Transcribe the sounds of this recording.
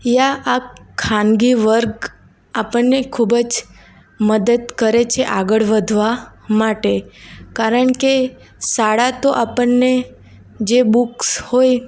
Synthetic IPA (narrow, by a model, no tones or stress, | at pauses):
jaʔakʰanɡiʋəɾɡ | apəɳːekʰubd͡ʒ | məd̪əd̪kəɾet͡ʃʰeʔaɡəɭʋəd̪ʱʋa | maʈekaɾəɳke | saɽat̪oʔapəɳːe | d͡ʒebukshoj